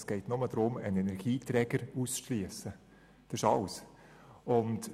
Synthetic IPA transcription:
sɡ̥ɛɪtnʊməd̥̪ɾʊmənɛnɛɾɡ̥iːtɾɛːɡəɾuːsʃliəsə | d̥ɪʃɑls | ʊnt

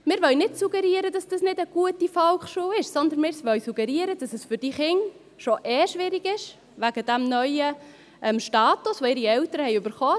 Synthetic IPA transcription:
mɪːɾʋœlnɪtsuɡɛɾiəɾədɑsd̥ɑsnɪdəɡ̥uətifɔlχʃuːɪʃsɔnd̪ənmɪːɾsʋœlsuɡɛɾiəɾəd̥ɑsɛsfʏɾd̥iːχɪŋ | ʃoʔeːʃʋɪɾɪɡɪʃ | ʋæɡ̥ədæmnœʏə | ʔɛmʃtɑːtʊsʋoɪɾiɛltəɾəhɛɪøbəɾχɔː

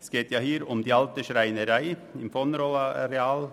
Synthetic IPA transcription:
skeːt̪jæɪhiːɾɔmd̪iːɑlt̪əʃɾæɪnəɾæɪɪnfɔnɾɔlɑɾɛɑːl

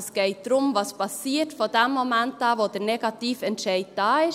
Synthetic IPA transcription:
sɡ̥ɛɪt̚d̥ɾʊmvɑspʰɑsiːtfoːdɛmːomæntɑːvoːd̥əɾnɛɡ̥ɑtiːfɛntʃɛɪd̚d̥ɑːɪʃ

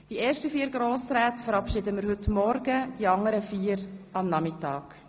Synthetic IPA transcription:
d̥ieːɾʃtəfiːəɾɡɾoːsɾaːtfəɾɑpʃidəməɾhɵtmɔɾɡəd̥iɑŋəɾəfiːəɾɑmnɑmitɑːk

